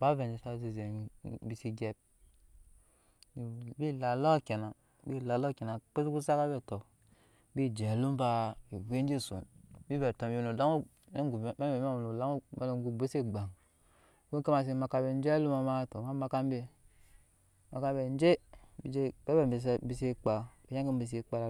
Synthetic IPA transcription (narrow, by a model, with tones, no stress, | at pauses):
ba˦ve˨d͡ʒi˨sa˦˨zi˨ze˨bi˨si˦ɡe˦b̚ | i˨bi˦la˨lo˦˨ke˨na˨ | bi˦˨la˨lo˦˨ke˨na˨k͡pe˦si˦ku˦sa˦ka˦be˨to˨ | bi˦d͡ʒe˨lu˦m˦ba˨i˨we˦n˦d͡ʒe˦˨sṵ˨nbi˦be˨to˨bi˦˨nu˨la˦ŋu˦ | ɡu˨˦e˦e˨m˦a˦˨u˨la˦ŋu˦mḛ˨n˨ɡu˨be˦se˦ɡ͡ba˨ŋ˨ | wu˦ka˦ma˨s̬i˨ma˨ka˨be˨n˦d͡ʒe˦lu˦ma˨ma˦to˨ma˦ma˨ka˦m˦be˨ | ma˨ka˦mbe˨n˦d͡ʒe˦bi˨d͡ʒe˦be˦be˦˨m˨bi˨sbi˨se˦k͡pa˨b̥i˨ja˦ki˦m˦bi˨s̬i˨k͡pa˨ɾa˨